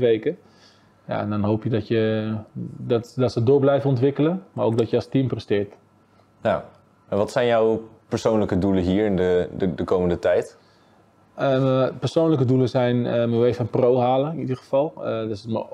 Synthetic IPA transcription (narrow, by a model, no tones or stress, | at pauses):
ʋejkə | ja̰ɛ̰ndɔnɦoːpjədɔtjə | dɔtdɔtsədoːblɛjvənɔntʋɪkələmaɹoːkdɔtjəastimprəstɪːt | ja | ɛnʋɔtsɛjnjawpəɹsoːnləkəduləɦiːəɹɪndədəkoːməndətɛjt | əpərsoːnləkəduləsɛjnməʋejfɔnprowɦaːləɪnidərxəfɔlˠədɔsətmə